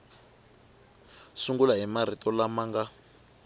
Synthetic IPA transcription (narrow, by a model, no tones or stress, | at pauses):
suŋɡulaɦimaɾ̤itʼɔlamaːŋɡa